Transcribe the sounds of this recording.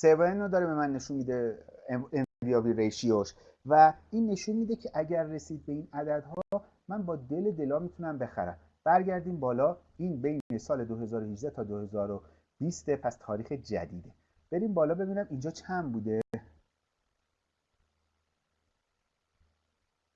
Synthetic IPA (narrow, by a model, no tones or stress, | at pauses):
sevenod̪ɒːɾebe̞mænːe̞ʃunmiːd̪e | envijɒːbiːɾejʃioʃ | væiːnːe̞ʃunmiːd̪ecʰe̞ʔæɟæɾːe̞siːd̪̚be̞iːnæd̪æd̪hɒː | mænbɒːd̪e̞le̞d̪e̞lɒːmiːt̪ʰunæmbe̞xæ̰ɾæ̰m | b̥æɾɟæɾd̪iːmbɒːlɒːiːnbe̞jnesɒːle̞d̪oɦe̞zɒːɾohiʒd̪æt̪ʰɒːd̪ohe̞zɒːɾo | b̥ist̪epʰæst̪ʰɒːɾiːxe̞d͡ʒæ̰d̪iːd̪e̞ | b̥e̞ɾimbɒːlɒːbe̞biːnæmind͡ʒɒːt͡ʃʰæmbuːd̪e